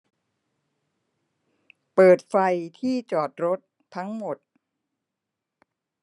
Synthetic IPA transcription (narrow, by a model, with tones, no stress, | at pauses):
pɤː˨˩t̪̚fa˧jt̪ʰiː˥˩t͡ɕɔː˨˩t̪̚ɾo˦˥t̪̚ʰːa˦˥ŋmo˨˩t̪̚